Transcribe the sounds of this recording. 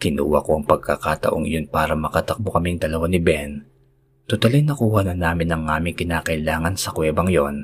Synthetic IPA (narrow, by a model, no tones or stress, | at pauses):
kɪnṵːwɐ̰koʔɐŋpɐɡ̚kakaːt̪ɐ̰ʔo̞ŋʔɪ̰jo̞npaːɾɐmɐkɐt̪ɐk̚bokɐmiŋd̪ɐlɐwanɪbɛn | t̪ʊt̪ɐliŋnɐkuːhɐnɐnaːmɪnɐŋaːmɪŋkɪnaːkɐʔɪlaːŋɐnsɐkwɛːbɐŋjo̞n